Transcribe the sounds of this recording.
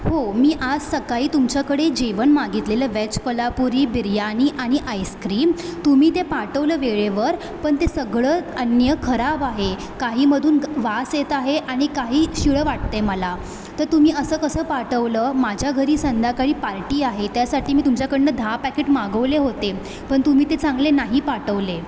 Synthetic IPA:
homiːʔad͡zsəkaiːt̪umt͡ɕjakəɽed͡ʑiʋənmaɡit̪leləʋɛt͡ɕkəlapuɾiːbiɾjañiːʔaɽ̃iʔajskɾiːmt̪um̤iːt̪epaʈəʋləːʋeɭeʋəɾ | pəɳt̪esəɡɭəːənjəkʰəɾabaɦe | kaɦiːməd̪ʱuːnʋaset̪aɦeʔaɽ̃ikaɦiːɕiɭəʋaʈ̚t̪eməla | t̪əɾt̪umiːəsəːkəsəːpaʈəʋləːmad͡ʑʱjaɡʱəɾiːsənd̪ʱakaɭiːpaɾʈiːaɦet̪jasaʈiːmiːt̪umt͡ɕjakəɳnəd̪ʱapækeʈmaɡəʋleɦot̪e | pəɳt̪um̤iːt̪et͡sãŋɡlenaɦiːpaʈəʋle

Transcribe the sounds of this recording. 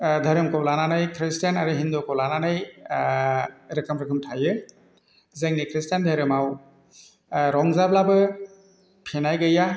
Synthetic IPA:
dʱaɾɯmkɔlananɯjkʰɾistjanaɾɯɦind̪ukɔwlananɯj | ɾɛkɯmɾɛkʰɯmtʰajɯ | zeŋnikʰɾistjandʱaɾɯmaw | ɾɔŋzablabɯ | pʰenajɡɯja

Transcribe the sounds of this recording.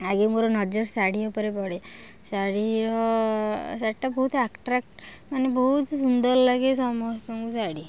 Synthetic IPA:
aɡemoɾɔnɔd͡ʒɔɾsaɽiopɔɾepɔɽe | saɽiɾɔ | saʈːabɔɦut̪akʈɾak̚ʈ | manebɔɦut̪sund̪ɔɾlaɡesɔmɔst̪ɔmusaɽi

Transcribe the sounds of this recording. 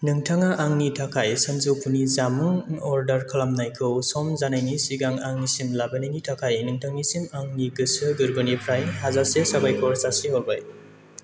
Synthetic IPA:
nɯŋtʰaŋaʔaŋnitʰakʰajsanzupʰunizamɯŋɔɾdɐɾkʰɯlamnajkʰɯwsɔmzanajnisiɡaŋaŋnisimlabanajnitʰakʰajnɯŋtʰaŋnisimaŋniɡɯsɯɡɯɾɡɔnipʰɾajhazasesabajkʰɔɾsasiɦɔbaj

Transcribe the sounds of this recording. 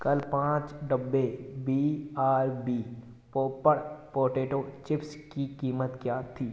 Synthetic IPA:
kɐlpãːt͡ʃɖəbːebiːaːɾbiː | popəɽpɔːɾʈeːʈoːt͡ʃɪpskikiːmət̪kjaːt̪ʰiː

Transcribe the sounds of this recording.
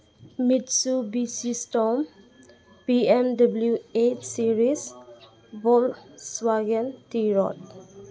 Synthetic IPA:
midsubisisʈɔm | piɛmdabljuet͡ʃsiɾis | bɔlswaɡə̃ntiɹɔ̰t̚

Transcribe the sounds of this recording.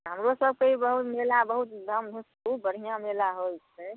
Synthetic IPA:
ɦəmɾosəb̚koɦibəɦut̪melabəɦut̪d̪ʱəmd̪ʱusubəɾ̤ʱijãmelaɦojt͡ʃʰe

